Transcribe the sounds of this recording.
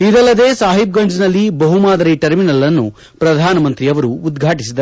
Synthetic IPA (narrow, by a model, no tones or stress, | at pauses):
id̪ɐlːɐd̪e̞ːsaːɦib̚ɡɐɲd͡ʒnɐlːibɐɦumaːd̪ɐɾiʈɐɾminɐlːɐnːu | pɾɐd̪ʱaːnɐmɐnt̪ɾiɐʋɐɾuːd̪ɡʱaːʈisid̪ɐ